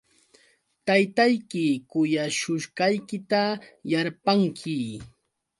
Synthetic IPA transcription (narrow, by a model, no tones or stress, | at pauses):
t̪ajt̪ajkɪkʊjaʃʊʃkɑjkɪt̪ajaɾpaŋkʰɪ